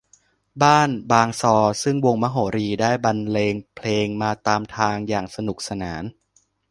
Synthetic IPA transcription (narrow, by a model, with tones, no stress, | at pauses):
baː˥˩nbaː˧ŋsɔː˧sɯ˥˩ŋwo˧ŋma˦˥ɦoː˩˦ɾiː˧daː˥˩jba˧nleː˧ŋpʰleː˧ŋmaː˧t̪aː˧mt̪ʰaː˧ŋjaː˨˩ŋsa˧nu˨˩k̚sa˧naː˩˦n